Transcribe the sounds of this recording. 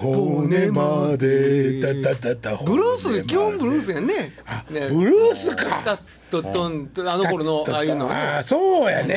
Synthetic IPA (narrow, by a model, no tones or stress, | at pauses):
hoonemad̪eat̪ːaat̪ːabɯ̟ɾɯːsɨnekʲihõmbɯ̟ɾɯːsɨjanːeanebɯ̟ɾɯːsɨkat̪ḁ | t̪ːot̪ːõnt̪anoko̞ɾonoaːjɯnoasoːja̰ne